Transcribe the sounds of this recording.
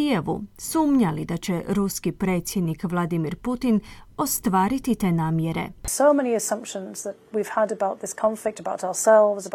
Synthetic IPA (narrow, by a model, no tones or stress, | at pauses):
ije̞ʋṵsuːmɲalid̪at͡ɕe̞ɾuskipɾe̞ːt̪sʲjed̪nikʋlˠad̪imiɾput̪ino̞st̪ʋaːɾit̪it̪eːnaːmje̞ɾe̞̰soʊmɛñiɨsʌ̃mpʃə̃nzðət̚wiv̥ədəbaʊt̪̚ðɪskʰɒ̃ɱflɪk̚təbaʊtaʊə˞sɛlˠvzə